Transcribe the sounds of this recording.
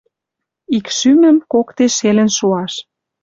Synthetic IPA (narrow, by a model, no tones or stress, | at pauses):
ikʃymə̆mkokt̪eʃelə̆nʃuɑʃ